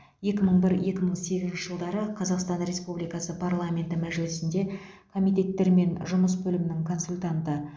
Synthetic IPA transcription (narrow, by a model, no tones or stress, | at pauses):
je̞kʲɪməɴbɪɾje̞kʲɪməɴse̞ɡʲɪzɪnʃɪ̥ʒəlˠd̪ɑɾəqʰɑzɑqst̪ɑnɾe̞spublijkɑsəpʰarlˠamʲe̞nt̪ɪmæʒɪlɪsɪnd̪e̞ | kʰo̞mijt̪̬e̞t̪ːe̞ɾme̞nʒʊməs̬bɵlɪmɪnɪŋkʰo̞nsulʲt̪ant̪ə